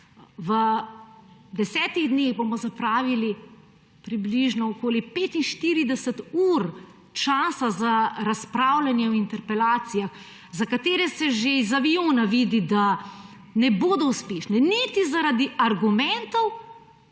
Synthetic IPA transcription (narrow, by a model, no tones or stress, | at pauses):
ʋə | d̪ɛsɛːt̪iɣd̪neɣbomɔzapɾaːʋili | pɾibliʒnɔɔkoːlipeːt̪inʃt̪iːɾid̪ɛsət̪uːɾ | t͡ʃaːsazaɾaspɾawlanjɛɔint̪ɛɾpɛlaːt̪sijax | zakat̪eːɾɛsɛʒeizaʋioːnaʋid̪id̪a | nɛboːd̪ɔuspeːʃnɛnit̪izaɾad̪iaɾɡumɛnt̪ɔw